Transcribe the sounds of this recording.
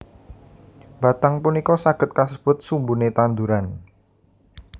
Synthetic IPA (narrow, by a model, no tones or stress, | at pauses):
b̥a̤t̪aŋpunikɔsaɡ̥ə̤t̪̚kasəb̥ʊ̤t̪̚sumbunet̪and̪uɾan